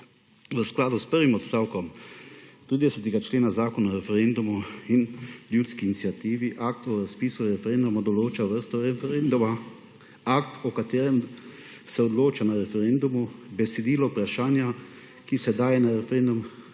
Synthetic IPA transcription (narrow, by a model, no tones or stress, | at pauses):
ʋəsklaːd̪uspəɾʋimɔt̪st̪aːwkɔm | t̪ɾiːd̪ɛsɛt̪ɛɡat͡ʃleːnazaːkɔnaɾɛfɛɾɛnd̪umuinljut̪skiːnit̪sjat̪iːʋiʔak̚t̪ɔɾaspiːsuɾɛfɛɾɛnd̪umud̪ɔloːt͡ʃaʋəɾst̪ɔɾɛɛnd̪uma | akt̪ɔkat̪eːɾɛm | sɛɔd̪loːt͡ʃanaɾɛfɛɾɛnd̪umubɛsɛd̪iːlɔupɾaʃaːnja | kisɛd̪aːjɛnaɾɛfɛɾɛnd̪um